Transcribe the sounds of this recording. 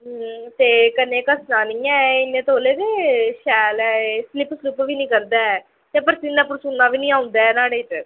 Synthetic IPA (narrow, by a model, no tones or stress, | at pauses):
t̪eːkənːẽːkəsnaːnĩːɛ̃ːɪnːẽːt̪oːleːd̪eʃɛːlɛːslɪpːslɪpʋiːnĩːkəɾd̪ɛː | t̪eːpəɾsinɛːpʊɾsʊnːãːʋiːnĩːaːʊ̃nd̪ɛːnaːɽeːʈ